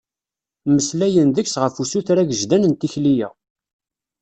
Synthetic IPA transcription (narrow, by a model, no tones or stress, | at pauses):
məslæjənðəçsʁəfusuθɾæɡəʒd̪ænənt̪içlijæ̰